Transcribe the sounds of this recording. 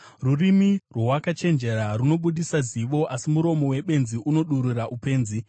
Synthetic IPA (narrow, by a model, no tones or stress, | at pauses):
rurimirwowakat͡ʃe̞nd͡ʒe̞ɾaruno̞ɓuɗisaziʋo̞ʔasimuɾo̞mo̞we̞ɓe̞nziʔuno̞ɗuɾuraʔupe̞ːnzi